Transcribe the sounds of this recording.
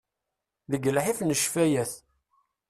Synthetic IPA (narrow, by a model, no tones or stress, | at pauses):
ðəɡəlħifnəʃfæjæθ